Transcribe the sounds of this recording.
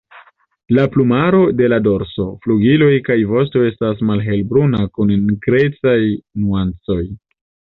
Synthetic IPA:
laplumaɾo̞de̞lado̞ɾso̞fluɡilo̞jkajvo̞s̬to̞e̞stas̬malɦe̞lbɾunakunnɡɾe̞t͡sajnuant͡so̞j

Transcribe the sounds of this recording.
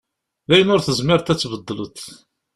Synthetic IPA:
ðæjənʊɾθəzməɾt̪æt͡sːvəd̪ˤːələt̪

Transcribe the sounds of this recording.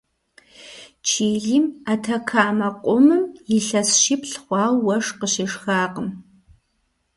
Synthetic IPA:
t͡ʃʰiːɮimatʰɐkʰaːmɐqʷʼʊmɨmjɪɬɐsʃipɬχʷɑːlwɐʂqəɕɪʂxaːqəm

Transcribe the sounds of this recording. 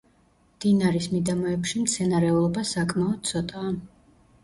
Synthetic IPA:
d̪̥inaɾismid̪amɔɛpʃimt̪sʰɛnaɾɛulˠɔbasakʼmaɔd̪̥̚t̪sʰɔt̪ʼaː

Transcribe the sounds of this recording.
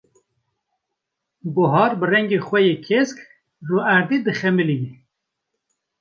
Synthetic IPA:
ɡʊɦɑːɾbɨrɛŋɡeːxʷɛjekʰesk | ruːæɾd̪id̪ɨxɛmɨlini

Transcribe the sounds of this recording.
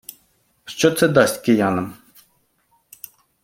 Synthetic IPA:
ʃt͡ʃɔt̪sɛd̪ɑsʲtʲkɪjɑnɐm

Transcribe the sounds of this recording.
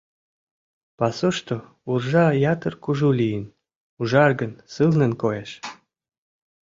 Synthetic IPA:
pɑsoʃt̪o | urʒɑjɑt̪ərkuʒulijən | uʒɑrɡənsɨlnənkojeʃ

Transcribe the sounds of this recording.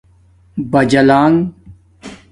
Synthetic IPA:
bɐd͡ʑɐlaːŋ

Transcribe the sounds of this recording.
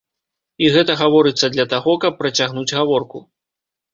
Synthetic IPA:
iɣɛt̪ɐɣavɔɾɨt̪sːɐd̪lʲɐt̪aɣɔkɐpːɾɐt͡sʲaɣnud͡zʲɣavɔrku

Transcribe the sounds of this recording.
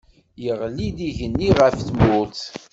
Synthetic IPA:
jəʁlid̪iʝənːiʁəfθmʊθ

